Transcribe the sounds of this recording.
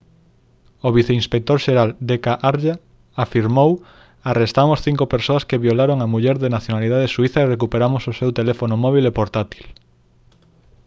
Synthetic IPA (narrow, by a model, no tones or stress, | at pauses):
oβ̞iθeinspek̚t̪oɾʃeɾald̪ekaʔaɾʒa | afiɾmow | arest̪amosθiŋkopeɾsoaskeβjolaɾoŋamuʎɛɾðenaθjonaliðaðesuiθaerek̬upeɾamososewt̪elefonomɔβ̞ilepoɾt̪at̪i̥l